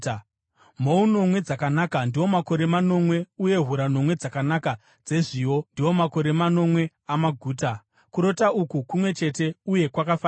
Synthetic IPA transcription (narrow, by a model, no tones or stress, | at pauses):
m̤o̞uno̞mwe̞d͡zakanakandiwo̞mako̞ɾe̞mano̞mwe̞uje̞ɦuɾano̞mwe̞d͡zakanaka | d͡ze̞ʐiːwo̞ndiwo̞mako̞ɾe̞mano̞mwe̞ | amaɡʱuːta | kuɾo̞taukukumwe̞t͡ʃe̞te̞uje̞kwakafaː